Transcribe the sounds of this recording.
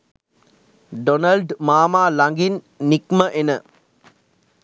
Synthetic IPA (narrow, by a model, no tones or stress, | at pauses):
ɖonɐlɖmaːmaːlaŋɡinː | ikməʔenə